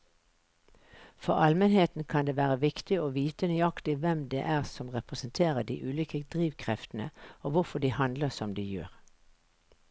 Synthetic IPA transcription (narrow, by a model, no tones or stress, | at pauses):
fɔʁɑlmənheːt̪n̩kʰɑnd̪eːʋæːʁəʋɪkt̪ɪoːʋiːt̪ənyːɑkt̪ɪʋɛmd̪ḛːʔæːʁsɔmʁɛpʁəsən̩t̪ʰeːʁəɖ̪ḭːʔʉːlʏkəd̪̥ʁiːʋkʰʁɛft̪n̩ə̰oːʋʊfɔɖiːhɑnd̪ləsɔmd̪iːjø̰ːʁ